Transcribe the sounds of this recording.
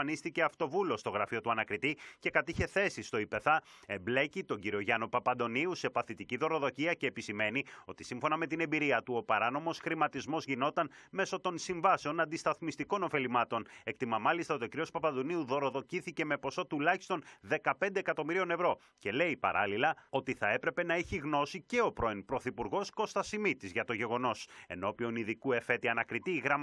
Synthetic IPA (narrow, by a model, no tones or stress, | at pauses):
nist̪ice̞ɐft̪o̞vulo̞st̪o̞ɣɾɐfio̞t̪uɐnɐkɾit̪ice̞kɐt̪içe̞θe̞sist̪o̞ipe̞θɐe̞mble̞cit̪o̞ɲɟiɾio̞ʝɐno̞pɐpɐnd̪o̞niuse̞pɐθit̪iciðo̞ɾo̞ðo̞ciɐce̞ːpisime̞nio̞t̪i̥siɱfo̞nɐme̞t̪ine̞mbiɾiɐt̪uo̞pɐɾɐno̞mo̞sxɾimɐt̪izmo̞zʝino̞t̪ɐnme̞so̞t̪o̞nsiɱvɐse̞o̞nɐnd̪ist̪ɐθmist̪iko̞no̞fe̞limɐt̪o̞ne̞k̚t̪imɐmɐlist̪ɐot̪okɾio̞spɐpɐnd̪uniuðo̞ɾo̞ðo̞ciθice̞me̞po̞so̞t̪ulɐçi̥st̪o̞nðe̞kɐpe̞nd̪eːkɐt̪o̞miɾio̞ne̞vɾo̞ | ce̞le̞ipɐ̰ɾɐlilɐo̞t̪iθɐe̞pɾe̞pe̞nɐeçiɣno̞sice̞o̞pɾo̞inpɾo̞θipuɾɣo̞sko̞st̪ɐsimit̪izʝɐt̪o̞ʝe̞ɣo̞no̞se̞̰no̞pio̞niðikue̞fe̞t̪iɐnɐkɾit̪iːɣɾɐm